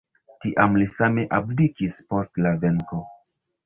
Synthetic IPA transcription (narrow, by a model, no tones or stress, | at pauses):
tiʔamlisame̞ʔablikispo̞stlave̞ŋko̞